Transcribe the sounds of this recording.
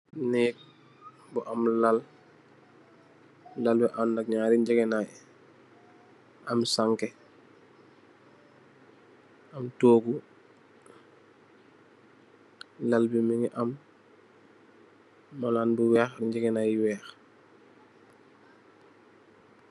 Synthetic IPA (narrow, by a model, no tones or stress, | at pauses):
nɛːk̚ | buʔamlal | lalbiʔannak̚ɲaːɾiɲɟɛɡɛnaj | amsaŋkɛ | ɐmtoːɡu | lalbimiŋiʔam | alaːnbuwɛːxɾiɲɟɛɡɛnajwɛːx